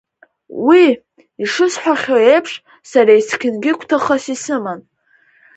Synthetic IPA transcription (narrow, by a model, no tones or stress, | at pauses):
wi | iʂɨsħʷᶣaχʲoejpʰʂ | saɾaiskʲʰɪnɡʲɪkʷʰtʰaχasisɨman